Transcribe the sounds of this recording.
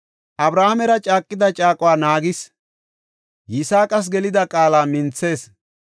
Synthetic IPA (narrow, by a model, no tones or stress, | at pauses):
ʔɐbɾaːhɐmɛɾɐt͡ʃʼaːkʼːɪd̪ɐt͡ʃʼaːkʼʊwaːnaːɡɪs | jɪsaːkʼɐs̬ɡɛlɪd̪ɐkʼaːlaːmɪnt͡sːe̞ːs